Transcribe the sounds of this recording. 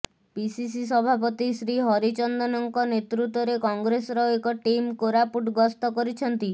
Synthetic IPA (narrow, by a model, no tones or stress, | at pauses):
pisis̬is̬ɔbʱapɔt̪isɾiɦɔɾit͡ʃɔnd̪ɔnɔŋkɔnet̪ɾut̪wɔɾekɔŋɡɾesɔɾɔekɔʈimkoɾapuʈɡɔst̪ɔkɔɾit͡ʃʰɔnt̪i